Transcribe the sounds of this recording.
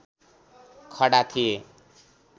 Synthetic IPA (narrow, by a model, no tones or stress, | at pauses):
kʰʌɽat̪ʰije